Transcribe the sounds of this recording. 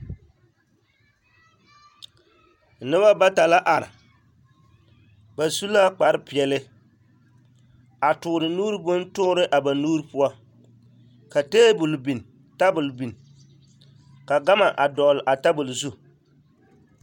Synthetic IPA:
nɨ˦βa˦ba˦ta˨la˦ʔa˨ɾɪ̰˨ | ba˨su˦la˦k͡pa˨ɾɨ˦pi˨ɛ˨lɨ˦ | a˨tʊ˨ɾɨ˨nuː˦ɾɨ˦bʊ˦n˦tʊ˦ɾɨ˦ʔa˨ba˨nuː˦ɾɨ˦pʊ˦a˦ | ka˨teː˦bʊ˨lbi˨n˨ | ta˦bʊ˨lbi˨n˨ | ka˨ɡa˦ma˨ʔa˨dɔ˨lɪ˨ʔa˨ta˦bʊ˨lzu˦

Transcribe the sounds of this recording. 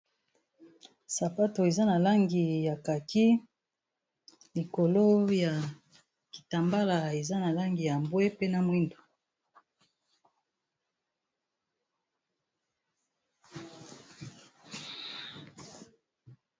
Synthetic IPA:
sa˨pa˦to˨e˨za˦na˨la˦ŋɡi˨ja˨ka˨ki˦ | li˨ko˨lo˦ja˨ | ki˨ta˨mba˦la˨e˨za˦na˨la˦ŋɡi˨ja˨mbwe˦pe˦na˨mwi˦ndo˨

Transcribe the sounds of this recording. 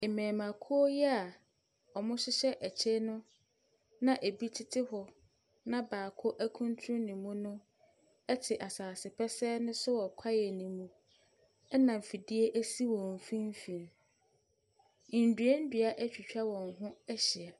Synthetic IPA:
e˨mɛ̃ː˨mã˨kʰu˦o˦jɛ˦a˨ | ɔ˨mʊ̃˦sɪ˦ɕɛ˦ʔæ˨t͡ɕʰe˦nʊ̃˦ | nã˦ʔe˨bi˦tʰɪ˦tʰɪ˦ɦɔ˨ | nã˦baː˨kʰʊ˦ʔæ˦kʰũ˦n˦tʰɾũ˦nĩ˨mũ˦nʊ̃˦ | ɛ˦tʰɪ˨ʔa˨saː˨sɪ˨pʰɛ˦sɛ˦nʊ̃˦sʊ˦wɔ˨kʷʰa˦jɛ˨nĩ˨mũ˦ | ɛ˦nã˨m̩˨fi˨di˦e˦ʔæ˦si˦wɔ̃˨m̩˨fĩ˦m˦fĩ˨ɾ | dɥe˦n̩˦dɥa˦ʔæ˦t͡ɕᶣi˨t͡ɕᶣa˦wɔ̃˨ŋ˨ɦʊ̃˦ɛ˦ɕɪ˨a˨

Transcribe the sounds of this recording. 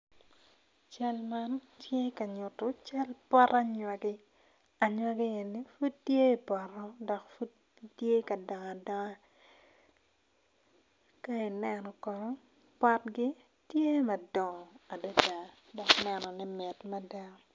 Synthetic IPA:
t͡ʃa˦lma˦n | tje˦kɐ˨ɲʊ˨tʊ˦t͡ʃa˦lpɔ˦ɾʔa˦ɲwa˨ɡɪ˦ | a˨ɲwa˦ɡi˦e˨ni˦fu˦t̚tːje˦i˨pɔ˨ɾɔ˦dɔ˨kfu˦d | tje˦kɐ˨dɔ˨ŋ˨a˨dɔ˦ŋa˦ | ka˦i˨nɛ˦nɔ˨kɔ˨nɔ˦ | pa˦tɡɪ˦ | tje˦mɐ˨dɔ˨a˨da˦da˨ | dɔ˨knɛ˦˨nɔ˨nɛ˦mɛ˨tma˦dɛ˦

